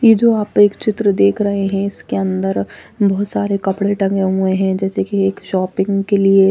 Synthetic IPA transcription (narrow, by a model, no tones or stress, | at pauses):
jed͡ʒoaːpeːkt͡ʃɪt̪ɾəd̪eːkʰɾɐɦeɦɛ̃ɪskeɐ̃nd̪əɾbɔɦːt̪saːɾekɐpɽeʈɐ̃ŋɡeɦueɦɛ̃d͡ʒɛːsekieːkʃɔːpɪ̃ŋɡkelie